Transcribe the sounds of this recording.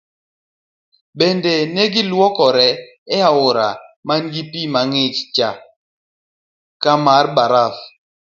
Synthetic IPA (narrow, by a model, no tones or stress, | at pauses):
bendenɛɡɪlwɔkɔɾɛ | ɛaʊɾa̰manɡipimaŋɪt͡ʃt͡ʃa | kamaɾbaɾaf